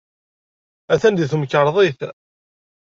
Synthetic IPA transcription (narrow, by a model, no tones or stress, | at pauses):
æθænd̪iθməkːəɾˤðˤiθ